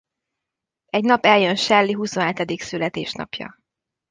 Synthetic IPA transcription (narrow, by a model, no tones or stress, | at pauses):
ɛɟnɒpɛljø̞nʃɛlːiɦusonɦɛt̪ɛd̪iksylɛt̪eːʃnɒ̰pjɒ̰